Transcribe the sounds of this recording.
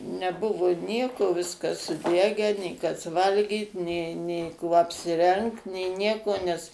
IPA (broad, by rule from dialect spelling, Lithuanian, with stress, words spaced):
nʲɛˈbʊʋʊ ˈnʲiɛkoː ˈʋʲɪskɐs sʊˈdʲæːɡʲæː nʲeː ˈkɐs ˈʋɐlʲɡʲiːt nʲeː nʲeː ˈkuɔ ɐpʲsʲɪˈrʲɛŋkt nʲeː ˈnʲiɛkoː nʲɛs